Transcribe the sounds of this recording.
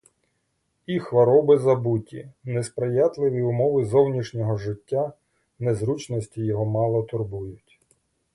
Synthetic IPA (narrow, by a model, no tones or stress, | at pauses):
ixʋɐɾɔbɪzɐbutʲinɛspɾɪjɑt̪lˠɪʋʲiʊmɔʋɪzɔwnʲiʃnʲɔɦɔʒɪtʲːa | nɛzɾut͡ʃnɔsʲtʲijɔɦɔmɑlˠɔt̪ʊrbujʊtʲ